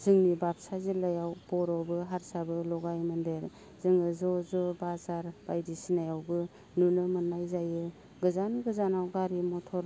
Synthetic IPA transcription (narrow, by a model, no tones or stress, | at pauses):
z̥ɯŋnibap̚sazilajawbɔɾɔbɯɦaɾsabɯlɔɡajmɯndeɾ | zɯŋɯzɔzɔbazaɾb̥ajdisinajawbɯ | nunɯmɯnːajzajɯ | ɡɯzanɡɯzanawɡaɾimɔtʰɔɾ